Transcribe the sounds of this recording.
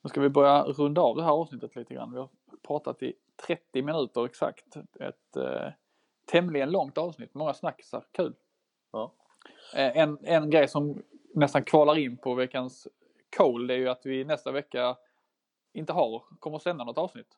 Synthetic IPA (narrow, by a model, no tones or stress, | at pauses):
nɵskavɪbœɾjaɾɵnd̪aɑvd̪ɛɦæːɾɑːvsnɪt̪ːət̪liːt̪əɡɾa̰nːvɪhaɾ | pʰɾɑːt̪a̰t̪ɪ | t̪ʰɾɛt̪ːɪmɪnʉ̟ːt̪əɾɛksa̰kt̪ɛ̰t̪ | ɛmlɪɡənlɔŋt̪ɑːvsnɪt̪ːmɔŋːasnakːsæ̰ɾkʰʉ̟ːl | ɛnɛnɡɾɛjsɔmnɛst̪ankʰvɑːlaɾɪnːpʰɔvɛkːans | kʰoːld̪ɛæɾjɵat̪vɪnɛst̪avɛkːa | ɪnt̪əɦaɾkʰɔmːəsɛnd̪anɔt̪ːɑːvsnɪt̪ː